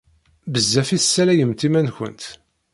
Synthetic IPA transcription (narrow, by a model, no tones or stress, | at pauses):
bəzːæfiθsːælæjəmt̪imænçə̰nt̪